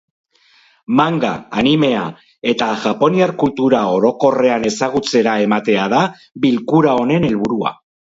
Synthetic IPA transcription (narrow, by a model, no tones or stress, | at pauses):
maŋɡa̰ːnime̞a | e̞t̪aʝapo̞niaɾkult̪uɾao̞ɾo̞ko̞re̞ane̞saɣ̞ut͡se̞ɾae̞mat̪e̞aða | βilkuɾao̞ne̞ne̞lβuɾua̰